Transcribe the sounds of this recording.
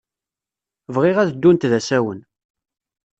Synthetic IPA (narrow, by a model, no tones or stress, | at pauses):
vʁiʁæðd̪ːunt̪ðæsæwən